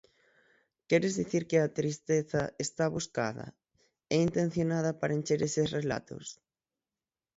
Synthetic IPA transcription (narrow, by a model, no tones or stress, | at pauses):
kɛɾezðiθiɾkɪat̪ɾist̪eθɐest̪aβuska̰ðɐ̰ | ɛint̪ẽn̟θjonað̞ɐpaɾent͡ʃeɾesesrela̰t̪o̰s